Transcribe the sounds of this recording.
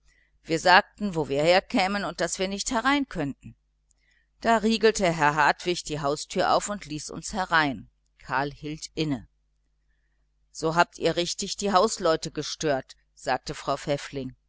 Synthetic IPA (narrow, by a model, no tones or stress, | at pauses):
v̥iːɐzaːk̚tn̩voːviːɐheːɐkʰɛːmənʊnt̚d̥asv̥iːɐnɪçthɛʁaɪnkʰœntn̩ | d̥aːʁiːɡl̩təɦɛɐɦaɐtv̥ɪçd̥iːɦaʊstʰyːɐʔa̰ʊfʊntliːsʔʊ̰nshɛʁaɪn | kʰaːɐlhiːltʔɪnə | z̥oːɦaːp̚tḭːɐʁɪçtɪçd̥iːɦaʊslɔʏtəɡəʃtøːɐt | z̥aːk̚təfʁ̥aʊfɛflɪŋ